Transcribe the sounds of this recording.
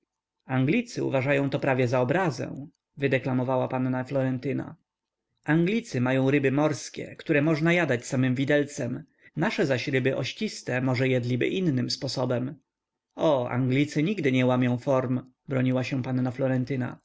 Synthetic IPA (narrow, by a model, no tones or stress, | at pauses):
aŋɡlʲit̪sɘṵvaʐajɔ̃w̃t̪ɔpɾavʲjɛzaɔbɾazɛ̰̃ | vɘd̪ɛklamɔvawapanːaflɔɾɛnt̪ɘna̰ | aŋɡlʲit̪sɘmajɔ̃w̃ɾɘbɘmɔɾskʲɛ̰kt̪uɾɛmɔʐnajad̪at͡ɕsamɘmvʲid̪ɛlt̪sɛm | naʂɛzaɕɾɘbɘʔɔɕt͡ɕist̪ɛmɔʐɛjɛd̪lʲibɘ̰ʔinːɘmspɔsɔbɛm | ɔa̰ŋɡlʲit̪sɘɲiɡd̪ɘɲɛwamʲjɔ̃w̃fɔɾm | bɾɔɲiwaɕɛpanːaflɔɾɛnt̪ɘna̰